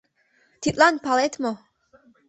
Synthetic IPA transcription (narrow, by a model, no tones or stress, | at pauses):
t̪ʰit̪ʼlanpʰalet̪ʰmo